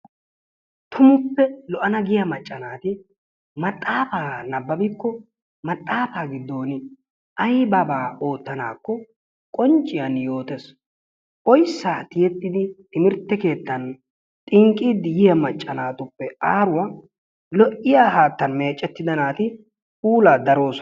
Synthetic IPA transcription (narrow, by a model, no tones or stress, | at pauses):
t̪ʰʊmʊpːɛlɔʔɐnɐɡɪjɐmɐt͡ʃʼːɐnaːt̪ɪ | mɐt̪ʼːaːfaːnɐbːɐbɪkːɔ | mɐt̪ʼːaːfaːɡɪd̪ːo̞ːnɪ | ɐjbɐbaːo̞ːt̪ːɐnaːkːɔ | kʼɔnt͡ʃʼːɪjɐnjo̞ːt̪ɛs | ʔɔjsːaːt̪ɪjɛt̪ːɪd̪ɪɪmɪɾt̪ːɛke̞ːt̪ːɐn | t̪ʼɪŋkʼːiːd̪ɪjɪjɐmɐt͡ʃʼːɐnaːt̪ʊpːɛʔaːɾʊwa | lɔʔɪjaːɦaːt̪ːɐnme̞ːt͡ʃʼːɛt̪ːɪd̪ɐnaːt̪ɪ | puːlaːd̪ɐɾo̞ːs